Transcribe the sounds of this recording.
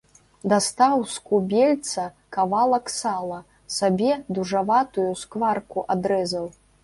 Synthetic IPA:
d̪ast̪awskubʲelʲt̪sɐ | kavalˠɐksalˠɐ | sabʲɛd̪uʐavat̪ujuskvarkuʔad̪ɾɛzɐw

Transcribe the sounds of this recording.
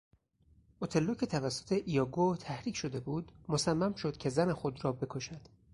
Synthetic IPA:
ʔot̪ʰe̞lːocʰʲe̞t̪ʰævæsːo̞̥t̪ʰe̞ʔijɒːɡot̪ʰæhɾiːcʰʃo̞d̪e̞buːd̪̥mosæmːæmʃo̞d̪̥̚cʲʰe̞zænexo̞d̪rɒːbe̞kʰo̞ʃæd̪̥

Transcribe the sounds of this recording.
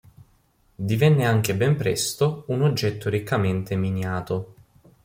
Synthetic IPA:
d̪ivɛnːeaŋk̟ebɛmpɾɛ̰st̪ounod͡ʒːɛt̪ːoɾikːament̪eminjaːt̪o

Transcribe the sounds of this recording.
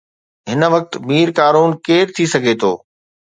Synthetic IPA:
ɦɪnə̆ʋɐk̚t̪̆miːɾkaːɾuːnkeːɾt̪ʰisɐɡʱet̪ʰoː

